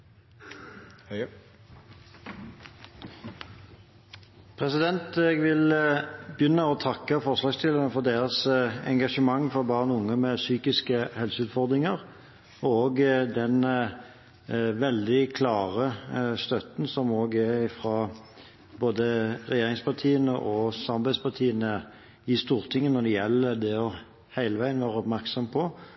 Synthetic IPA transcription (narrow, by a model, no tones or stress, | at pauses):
pʰʁɛsɪd̪ɛnt̪ɛɡʋɪlbjʏnːəɔt̪ʰɑkːəfɔʁslɑːɡst̪ɪlːəʁənəfɔʁd̪eːɾəsɛ̰ŋɡɑʂəmɑŋːfɔʁbɑːʁnʊŋːəmɛsyːkɪskəhɛlsəʉːt̪fɔʁd̪ʁɪŋəʁ | ɔoːɡd̪ɛn | ʋɛld̪ɪkʰlɑːʁəst̪œt̪n̩sɔmoːɡæɾɪfɾɑ | boːd̪əʁɛjeːɾɪŋspɑʁt̪ʰiːənəʔɔsɑmɑbæɪspɑt̪ʰiːənə | ɪst̪uːɾt̪ʰɪŋːənɔd̪ɛjɛlːəd̪ɛɔ | hæɪləʋæɪənʋæːʁəɔpmæʁksɔmpʰɔ